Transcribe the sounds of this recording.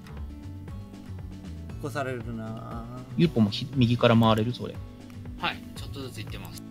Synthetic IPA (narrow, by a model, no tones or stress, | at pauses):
kosaɾeɾɯɾɯnajɯpːomoçimʲiɡʲikaɾamaaɾe̞ɾɯ̟so̞̰ɾḛ | hai | t͡ɕot̪ːozɨt͡sɨit̪ːe̞masɨ̥